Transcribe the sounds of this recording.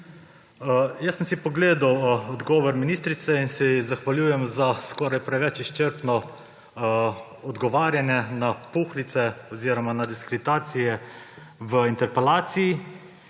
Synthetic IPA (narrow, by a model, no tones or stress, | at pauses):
jasːəmsipɔɡleːd̪awɔd̪ɡɔːʋɔɾminiːst̪ɾit̪sɛinsɛjizaxʋaljuːjɛmzaskɔːɾajpɾɛʋɛt͡ʃiʃt͡ʃəɾpnɔ | ɔd̪ɡɔʋaːɾjanjɛnapuxlit̪sɛɔziːɾɔmanad̪iskɾet̪aːt̪sijɛ | ʋəint̪ɛɾpɛlaːt̪siji